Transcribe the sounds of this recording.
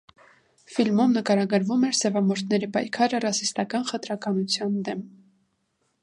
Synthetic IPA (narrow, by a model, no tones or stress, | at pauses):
filmumnəkɑɾɑɡəɾvumɛɾsɛvɑmɔɾt̪ʰnɛɾipɑjkʰɑɾərɑsist̪ɑkɑnχət̪ɾɑkɑnut͡sʰjɑnd̪ɛm